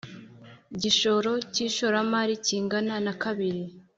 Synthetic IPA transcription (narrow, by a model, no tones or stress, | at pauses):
ɟiʃo̞ɾo̞ciʃoɾamaɾiciːŋɡananakaβiɾi